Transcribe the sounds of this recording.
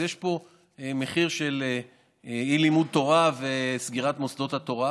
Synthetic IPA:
jeʃpo̞ | eme̞χiʁʃe̞le | ilimud̪̚t̪o̞ʁavesɡiʁat̪mosd̪o̞t̪hat̪o̞ʁa

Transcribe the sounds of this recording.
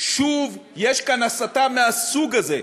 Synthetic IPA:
ʃuvjeʃkanasat̪ammeasuɡaze

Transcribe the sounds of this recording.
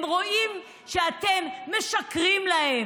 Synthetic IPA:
mʁo̞ʔim | ʃeat̪e̞mːe̞ʃakʁimlahe

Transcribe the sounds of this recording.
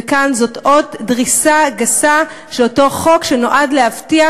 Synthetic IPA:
ekanzotʔo̞tdʁisaɡasa | ʃeloto̞χo̞kʃenoʔadlehavtia

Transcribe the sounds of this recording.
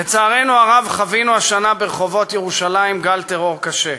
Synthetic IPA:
let͡saːʁe̞nuaʁavχavinuaʃanabeʁeχo̞vo̞t̪jeʁuʃalaimɡalt̪e̞ʁo̞ʁkaʃe̞

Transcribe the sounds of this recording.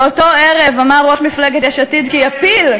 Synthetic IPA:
oto̞eʁevamaʁoʃmifleɡet̪jɛʃat̪id̪kiapil

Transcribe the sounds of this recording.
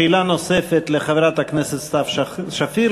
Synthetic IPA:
ilanosefet̪leχaveɾat̪hakneset̪st̪afʃafi

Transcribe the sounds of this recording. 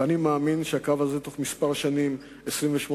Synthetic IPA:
animaːminʃeakavazet̪o̞χmispaʁʃanim | esʁimveʃmo

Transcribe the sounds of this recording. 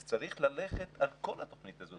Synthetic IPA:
t͡saʁiχlale̞χet̪alko̞lhat̪o̞χnit̪azo

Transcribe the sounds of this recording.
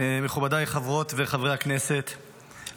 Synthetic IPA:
meχubad̪ajχavʁo̞t̪veχavʁeaknese̞t̪

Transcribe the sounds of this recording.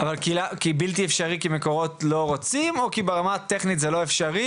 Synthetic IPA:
avalkilakibilt̪̬iefʃaʁikimeko̞ʁo̞tlo̞ʁot͡simo̞kibeʁamat̪eχnit̪zelo̞efʃaʁi

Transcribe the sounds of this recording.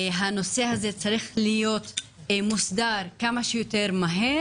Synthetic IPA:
ɦano̞se̞hazet͡saʁiχlijo̞t̪ | musd̪aʁkamaʃejote̞ʁmaɦe

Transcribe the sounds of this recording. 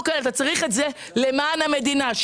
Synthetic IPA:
kelat̪at͡saʁiχetze | le̞maːnhame̞d̪inaʃ

